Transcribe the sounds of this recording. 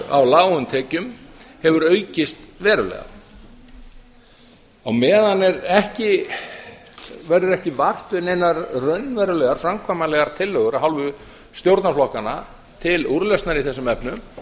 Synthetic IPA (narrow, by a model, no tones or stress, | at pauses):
a̰wlaːwʏmt̪ʰɛːcʏmhɛvʏɾœːɥcɪst̪vɛːɾʏlɛ̰ɣa̰ | awmɛːðanɛɾɛhcɪ | vɛɾʏɾɛhcɪvar̥t̪vɪnejnaɾrœɥnːvɛːɾʏlɛɣaɾ̥fɾamkʰvaːjmalɛɣaɾ̥t̪ʰɪlːœːɣʏɾaɦawlvʏ | st̪jowɾt̪naflɔhkana̰ | t̪ʰɪluɾlœstnaɾiθɛsʏmɛpnʏm